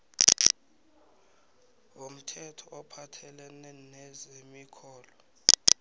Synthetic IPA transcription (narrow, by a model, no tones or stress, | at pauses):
wom̩tʰɛtʰɔʔɔpʰatʰɛlɛnɛnɛzemikʰɔːlɔ